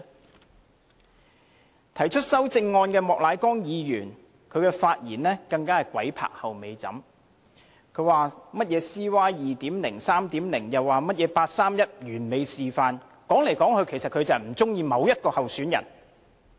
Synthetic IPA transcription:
t̪ʰɐ˨˩jt͡ʃʰɵ˥t̚sɐ˥wt͡sɪ˧ŋːɔː˧nkɛː˧mɔː˨k̚laː˨˧jkɔː˥ŋjiː˨˧jyː˨˩n | kʰɵ˨˧ɥkɛː˧faː˧t̚jiː˨˩nlɛː˥kɐ˧ŋkaː˥hɐ˨jkʷwɐ˨˥jpʰa̰ː˨k̚hɐ˨wme˨˧jt͡sɐ̰˨˥m | kʰɵ˨˧ɥwaː˨mɐ˥t̚jɛː˨˧siː˥waː˥jiː˨t̪iː˨˥mlɪ˨˩ŋsaː˥mt̪iː˨˥mlɪ˨˩ŋjɐ˨wːaː˨mɐ˥t̚jɛː˨˧paː˧t̚saː˥mjɐ˥t̚jyː˨˩nme˨˧jsiː˨faː˧n | kɔː˨˥ŋle˨˩jkɔː˨˥ŋkʰɵ˨˧ɥkʰe˨˩jsɐ˨t̚kʰɵ˨˧t͡sɐ˨m̩˨˩t͡sʊ˥ŋjiː˧mɐ˨˧wjɐ˥t̚kɔː˧hɐ˨wsyː˨˥njɐ̰˨˩n

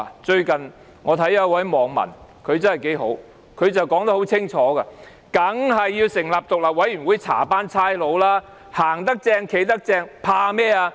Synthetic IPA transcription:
t͡ʃɵ˧ɥkɐ˨n | ŋɔː˨˧t̪ʰɐ˨˥jɐ˦˥wɐ˨˥jmɔː˨˧ŋmɐ̰˨˩nkʰɵ˨˧ɥt͡sɐ˥nhɐ˨˩jke˨˧˥jɦo˨˥w | kʰɵ˨˧ɥt͡sɐ˨wkɔː˨˥ŋt̪ɐ˥ho˨˥wt͡sʰɪ˥ŋt͡ʃʰɔː˨˥ɡɐ˧ | kɐ˨˥ŋɦɐ˨jːiː˧wsɪ˨˩ŋlaː˨p̚t̪ʊ˨k̚laː˨p̚wɐ˨˥jɥy˨˩nwu˨˥jt͡sʰa̰ː˨˩paː˥nt͡sʰaː˥jlo˨˧wlaː˥ | haː˨˩ŋt̪̬ɐ˥k̚t͡sɛː˧ŋkʰe˨˥jt̪ɐ˥k̚t͡sɛː˧ŋpʰaː˧mɛː˥˩aː˧

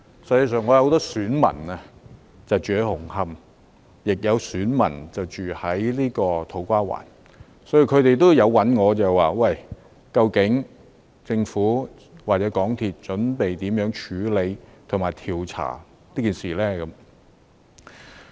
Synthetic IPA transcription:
sɐ˧jt͡sa˧sœː˨ŋɔː˨˧jɐ˧ho˧˥t̪ɔː˥syː˨˥nmɐ̰˨˩nɐ˧ | t͡sɐ˨wt͡ʃyː˨˩e˨˧hʊ˨˩ŋhɐ˧m | jɪ˨k̚jɐ˨˧wsyː˨˥nmɐ̰˨˩nt͡sɐ˨wt͡ʃyː˨˩hɐ˨˥jliː˥kɔː˧t̪ʰo˨˥wkʷaː˥wa̰ː˨˩n | sɔ˨˥ji˨˧wkʰɵ˨˧ɥt̪e˨jt̪̬o˥wjɐ˨˧wwɐ˨˥nŋɔː˨˧t͡sɛː˨waː˨wɐ˥˨˩j | kɐ˧wkɪ˨˥ŋ | t͡sɪ˧ŋfuː˨˥ | waː˨t͡sɛː˨˧˥kɔː˨˥ŋt̪ʰiː˨t̚t͡ʃɵ˨˥npe˨jt̪iː˨˥mjœː˨˥ŋt͡ʃʰyː˨˧le˨˧jt̪ʰʊ˨˩ŋmaː˨jt̪ʰiː˨wt͡sʰa̰ː˨˩ | liː˥kiː˨nsiː˨˩lɛː˥kɐ˨˧˥m

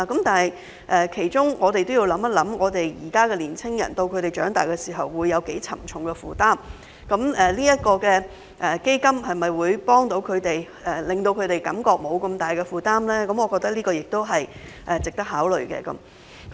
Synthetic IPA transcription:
kɐ˨˥mt̪aː˨˩nhɐ˨j | ʔɛː˨kʰe˨˩jt͡ʃʊ˥ŋʔɔː˨˧t̪e˨jt̪o˥wji˧wlɐ˨˥mɐ˥t̚lɐ˨˥mŋɔː˨˧t̪e˨jjiː˨˩kaː˥kɛː˧liː˨˩nt͡sʰɪ˥ŋjɐ̰˨˩nt̪o˧wkʰɵ˨˧ɥt̪e˨˩jt͡ʃœ̰ː˨˥ŋt̪a̰ː˨jkɛ˧siː˨˩ɦɐ˨wːuː˨˧jːɐ˨˧wke˨˥jt͡sʰɐ̰˨˩mt͡sʰʊ˨˧˥ŋkɛ˧fuː˨t̪aː˥m | kɐ˨˥mʔɛː˨˩liː˥jɐ˥t̚kɔː˧kɛː˧ | ʔɛ˨ke˥jkɐ˥mɦɐ˨jmɐ˨˩jwuː˨˧jpɔː˥ŋt̪o˨˧˥wkʰɵ˨˧ɥt̪e˨j | ɛː˨˩lɪ˨ŋt̪o˧wkʰɵ˨˧ɥt̪e˨jkɐ̰˨˥mkɔː˧k̚mo˨˧wkɐ˧mt̪aː˨˩jkɛ˧fuː˨t̪aː˥mlɛː˥kɐ˨˧˥mɔː˨˧kɔː˧k̚t̪ɐ˥k̚liː˥kɔː˧jɪ˨k̚t̪o˥wɦɐ˨j | ʔɛː˨t͡sɪ˨k̚t̪ɐ˥k̚ɦaː˨˥wlɵ̰˨ɥkɛ̰ː˧kɐ̰˨˦m | k

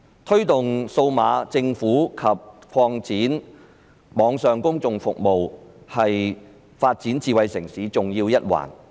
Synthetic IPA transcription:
t̪ʰɵ˥ɥt̪ʊ˨˩ŋso˧wmaː˨˧t͡sɪ˧ŋfuː˨˥kʰɐ˨p̚kʰɔː˧ŋt͡siː˨˥n | mɔː˨˧˥ŋsœː˨ŋkʊ˥ŋt͡sʊ˨ŋfʊ˨k̚mo˨whɐ˨j | faː˧t̚t͡siː˨˥nt͡siː˨wɐ˨jsɪ˨˩ŋsiː˨˥t͡sʊ˨ŋjiː˧wjɐ˥t̚wa̰ː˨˩n

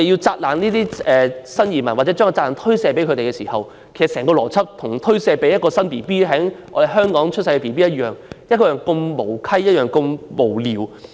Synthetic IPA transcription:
e˨ji˧wt͡saː˧t̚laː˨˩nniː˥t̪iː˥ɛː˨sɐ˥njiː˨˩mɐ˨˩nwa˨˩t͡sɛː˨˥t͡ʃœː˥kɔ˨˧t͡saː˧˨laː˨˩nt̪ʰɵ˥ɥsɛː˧pe˨˥jkʰɵ˨˧t̪e˨jkɛː˧siː˨˩hɐ˨w | kʰe˨˩sɐ˨sɛː˨˩ŋkɔː˧lɔː˨˩t͡sʰɐ˥p̚t̪ʰʊ˨˩ŋt̪ʰɵ˥ɥsɛː˧pe˨˥jɐ˥t̚kɔː˧sɐ˥npiː˨piː˥ɦɛ˨˥ŋʔɔ̰ː˧ɾe˨˩jɦœː˥ŋkɔː˨˥ŋt͡ʃʰɵ˥t̚sɐ˧jkɛ˧piː˨˩piː˥jɐ˥t̚jœː˨˩ŋjɐ˥t̚kɔ˧jœː˨˩ŋkɵ˧ŋmo˨˩wkʰɐ˥jjɐ˥t̚jœː˨˩ŋkɵ˧ŋmo˨˩wliː˨w

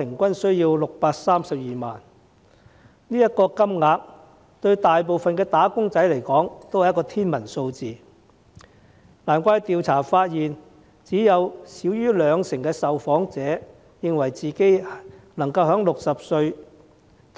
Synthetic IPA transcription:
ɪ˨˩ŋkʷɐ˥nsɵ˥ɥjiː˧wlʊ˨k̚paː˧k̚saː˥msɐ˨p̚jiː˨˩ma̰ː˨n | niː˥jɐ˥t̚kɔː˧kɐ˥mŋaː˧k̚ | t̪ɵ˧ɥt̪aː˨jp̬o˨wfɐ˨nkɛː˧t̪aː˨˥kʊ˥ŋt͡sɐ˨˥jle˨˩jkɔː˨˥ŋt̪o˥whjkɔː˧t̪ʰiː˥nmɐ˨˩nso˧wt͡siː˨ | laː˨˩nkʷaː˧jt̪iː˨˧wt͡sʰaː˨˩faː˧t̚jiː˨n | t͡siː˨˥jɐ˨˧wsiː˨˥wjyː˥lœː˨˧ŋsɪ˨˩ŋkɛː˧sɐ˨wfɔː˨˥ŋt͡sɛː˨˥ | jɪ˨˧ŋwɐ˨˩jt͡siː˨ke˥jnɐ˨˩ŋkɐ˧wɦœː˨˥ŋlʊ˨k̚sɐ˨p̚sɵ˧ɥ

